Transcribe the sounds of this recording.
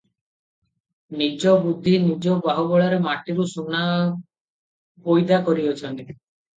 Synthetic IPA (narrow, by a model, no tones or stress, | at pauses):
nid͡ʒɔbud̪ʱːinid͡ʒɔbaɦɔbɔɭaɾemaʈiɾusuna | pojd̪akɔɾiɔt͡ʃʰɔnt̪i